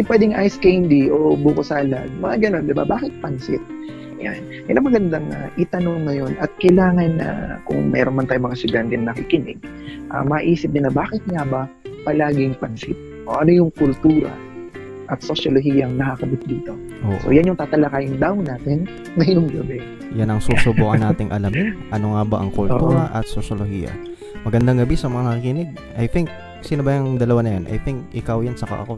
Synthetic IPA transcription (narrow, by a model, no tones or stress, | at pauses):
ɪpwɛːd̪ɪŋʔajskɛjnd̪iʔobukʊsaːlɐ̰ɡ̚mɐŋaɡɐno̞nd̪ɪba̰baːkɪt̪̚pɐnsɪ̰t̪̚ | ja̰n | kɐɪlʔaŋmɐɡɐnd̪aŋa̰ʔɪt̪ɐnoŋŋɐjo̞nʔɐt̪̚kɐjlaːŋɐnːɐ̰kʊ̰ŋmʔɛ̰ːɾonmɐnt̪aːjʊŋmɐŋast̪ʊd̪ant̪ɛnnɐkikɪnɪ̰ɡ̚ | ʔɐ̰mɐʔiːsɪp̚nɪnɐbaːkɪt̪̚ŋabɐ | pɐlaːɡɪŋpɐnsɪt̪̚ʔoʔɐno̞jʊŋkʊlt̪uːɾɐ̰ | ʔɐt̪̚soʃoloɦiːjɐŋnɐkakɐbɪt̪̚d̪iːt̪o̞ | ʔoːʔsʔo̰janjʊŋt̪aːt̪ɐlakaːjɪnd̪awnaːt̪ɪnː | ɐjʊŋɡɐbɛ | janɐŋsusʊbuːkɐnːaːt̪ɪŋʔɐlamɪʔɐno̞ŋabɐʔɐŋkult̪uːɾɐʔɐt̪̚sosolohḭjɐ̰ | mɐɡɐnd̪aŋɡɐbisɐmɐŋanɐkikɪnɪɡ̚ | ʔɐjθɪŋk̚ | sɪnɐbɐjɐŋd̪ɐlɐwanɐjanʔɐ̰jθɪŋkʔɪkawjansɐka̰ʔɐ̰ko̞